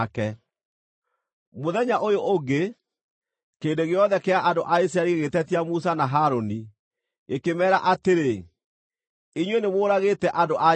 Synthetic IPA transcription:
kɛ | moðɛɲaʔojoʔoɡe | keːndeɣeɔðɛkeaʔandoʔais̬ɾaɾieɣetɛtiamusanaɦaɾoni | ekemɛːɾa̰ʔateɾe | iɲwenemoːɾaɣetɛʔandoʔa

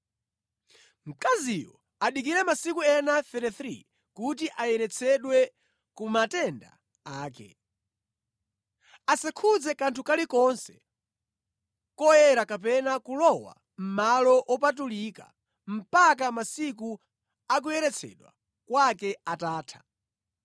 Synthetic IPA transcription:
m̩kazijɔ | aɗikiɾɛmasikuɛnaθɛɾɛθɾḭ | kut̬iʔajɛɾɛt͡sʰɛɗwɛ | kumatɛnda̰ | aːkɛ̰ | asakʰud͡zɛkantʰukalikɔnsɛ̥ | kɔjɛɾakap̬ɛnakulɔwa̰ | m̩malɔʔɔpat̬ulika̰ | m̩pak̬amasik̬u | ak̬ujɛɾɛt͡sʰɛ̰ɗwa̰ | kwakɛataːtʰḁ

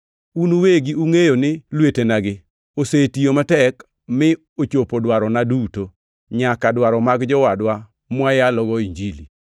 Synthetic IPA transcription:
unuweɡiuŋejonɪlwetenaɡɪ | osetijomatɛk | mɪ | ot͡ʃopodwaɾɔnaduto | ɲakadwaɾɔmaɡd͡ʒɔwadwa | mwajalɔɡɔiɲd͡ʒili

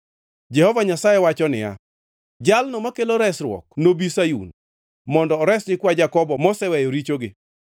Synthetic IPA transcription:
d͡ʒɛhɔvaɲasajɛwat͡ʃɔnɪ̰ja̰ | d͡ʒalnɔmakeloɾɛsɾwɔ̰k̚nobisajṵn | mɔndɔːɾɛsnɪkwad͡ʒakɔbɔmɔsɛwɛjoɾit͡ʃoɡɪ

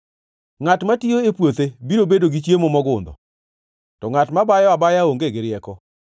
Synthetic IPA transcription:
ŋatmatijoepwot̪ebiɾobedoɡit͡ʃjemomɔɡʊnd̪ɔ̰ | tɔŋatmabajɔabajaoŋɡeɡeɾɪɛkɔ

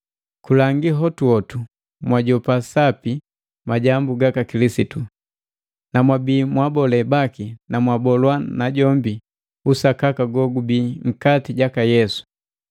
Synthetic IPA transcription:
kulaŋɡiɦɔtuɔtu | mwaɟɔpasapi | maɟambuɡakakilisitu | namwabiːmwabɔlɛbakinamwabɔlwanaɟɔmbi | usakakaɡɔɡubiːŋ̩katiɟakajɛsu̥

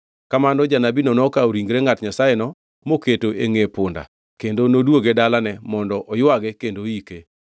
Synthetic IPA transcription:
kamanɔd͡ʒanabinɔnɔkaoɾiŋɡɾeŋatɲasaenɔ | moketoʔeŋepʊnda̰ | kendonodwoɡedalanɛmɔndɔʔɔjwaɡɛkendoike

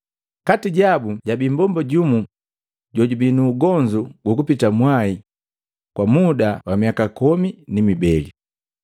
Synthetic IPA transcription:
katiɟabuɟabimbɔmbɔɟumu | ɟɔɟubinuːɡɔɲd͡ʒuɡukupitamwai | kwamudawamiakakɔminimibɛli

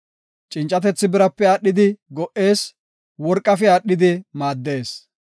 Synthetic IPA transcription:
t͡ʃʼɪnt͡ʃʼːɐt̪ɛt͡sːɪbɪɾɐpːɛaːɗːɪd̪ɪɡɔʔe̞ːs | wɔɾkʼːɐfɪaːɗɪd̪ɪmaːd̪ːe̞ːs

